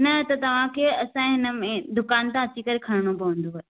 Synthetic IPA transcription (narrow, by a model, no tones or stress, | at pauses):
nɐt̪ɐt̪ɐʋ̤ãkʰeːɐsãɦɪnə̆mẽd̪ʊkaːnt̪ãɐt͡ɕikɐɾekʰɐɽ̤̃ɽ̃opɐʋə̃n̆d̪oɦː